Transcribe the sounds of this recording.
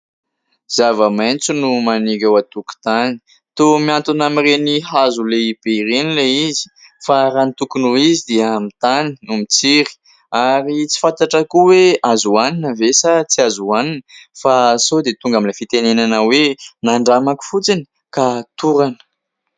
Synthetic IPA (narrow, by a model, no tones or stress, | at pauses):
z̥avəmajnt͡sunumaniɡawat̪uku̥t̪ani̥ | t̪omiant̪unamireniɦazuleib̥eiɾenileizi̥ | faɾanit̪ukunuizid̪iəmit̪aninumit͡siɾi̥ | aɾit͡si̥fant̪aʈ͡ʂakuweazuaninəvesat͡siazuaninəfasod̪et̪uŋɡamilefit̪enenanawenaɳɖ͡ʐamaku̥fut͡sini̥ | kat̪uɾanə̥